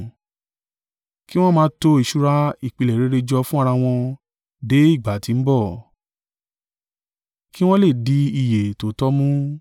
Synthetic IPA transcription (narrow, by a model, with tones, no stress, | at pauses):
ki˦w̃ɔ̃˦mãː˧˦to˧i˨ʃu˦ɾa˦i˦˨k͡pi˧lɛ˨ɾe˨˦ɾe˧d͡ʒɔ˧fũ˦a˦˧ɾa˧w̃ɔ̃˧ | de˨˦i˦˨ɡ͡ba˨˦˨tĩ˨˦n̩˦bɔ˦˨ | ki˦w̃ɔ̃˦le˦˨di˨˦i˨je˨to˨˦tɔ˦mũ˦